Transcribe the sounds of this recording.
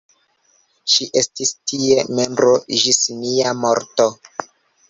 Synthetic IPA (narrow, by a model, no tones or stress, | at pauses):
ʃiʔestistie̞me̞mbɾoʒisniamo̞ɾto